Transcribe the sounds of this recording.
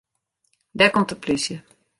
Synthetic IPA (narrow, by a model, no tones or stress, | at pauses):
dɛkɔmtəplysjə